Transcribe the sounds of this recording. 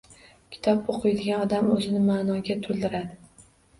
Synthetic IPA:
kʲʰɪ̥t̪ʰɒpoqʰɨjd̪ɪɡʲanɒd̪amɵzɪnɪmaːnɒɡʲat̪ʰʊlˠd̪ɪɾad̪ɪ

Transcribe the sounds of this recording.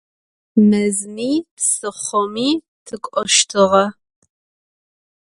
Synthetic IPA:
mɐzmiːpsɨχʷɔmiː | tʰɨkʷʼɔʃtʰɨʁɐ

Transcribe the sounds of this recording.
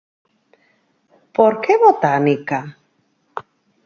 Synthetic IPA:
poɾkeβot̪anika

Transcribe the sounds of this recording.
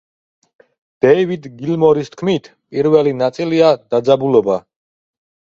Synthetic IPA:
d̪̥ɛivid̪ɡilmɔɾist̪̚ʰkʰmit̪ʰpʼiɾvɛlinat̪sʼiliad̪̥ad̪zabulɔba

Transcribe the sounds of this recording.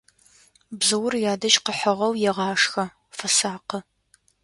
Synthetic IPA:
bzɨwʊrjaːdɐʃqəħɐʁɐwjɛʁɑːʂxɐ | fɐsaːqə

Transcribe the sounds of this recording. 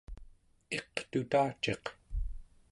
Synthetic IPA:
e̞qt̪ut̪aːt͡ʃe̞q

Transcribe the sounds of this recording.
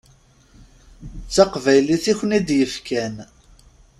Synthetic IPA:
t͡sːæqvæjliθiçnid̪jəfkæn

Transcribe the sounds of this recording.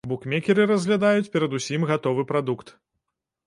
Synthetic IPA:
bukmʲɛkʲɛɾɨɾɐzʲɣlʲad̪ajut͡sʲpʲɛɾɐd̪usʲimɣat̪ɔvɨpɾad̪ukt̪

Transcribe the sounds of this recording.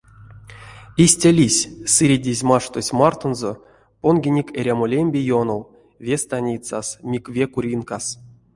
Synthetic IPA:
isʲtʲalʲisʲsɨɾʲidʲizʲmaʂt̪osʲmart̪onzo | ponɡʲinʲikʲeɾʲamolʲemʲbʲejonow | vʲest̪anʲit̪sa̰smʲikvʲekuɾʲinkas

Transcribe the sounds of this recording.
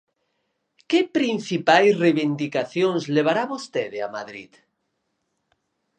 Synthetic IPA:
kepɾinθipajsreβind̪ikaθjonzleβ̞aɾaβost̪eðea̰maðɾḭt̪

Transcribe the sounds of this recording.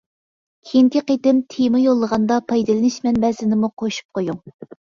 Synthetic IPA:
kʲʰiŋkʲiqet̪ɪmt̪ʰemɨjolˠːəʁɑnd̪ɑpʰɑjd̪ɨlˠɨnɪʃmɛnbɛzɪnɪmuqʰoʃu̥p̚qʰojuŋ

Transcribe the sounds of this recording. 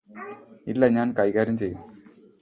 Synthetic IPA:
ilːeɲaːnkɐjɣaːɾjɐmt͡ɕejːum

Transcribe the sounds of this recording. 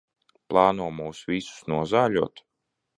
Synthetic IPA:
plˠɑːnuɔmuːwsvisu̥snuɔzaːlʲuɔt̪

